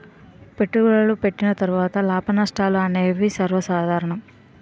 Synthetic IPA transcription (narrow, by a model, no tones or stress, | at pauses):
pe̞ʈːuɡuɭɐlupe̞ʈːinɐt̪ɐɾuʋaːt̪ɐlaːpʰɐnɐsʈaːluɐneːʋisɐɾʋɐsaːd̪ʱaːɾɐɳɐm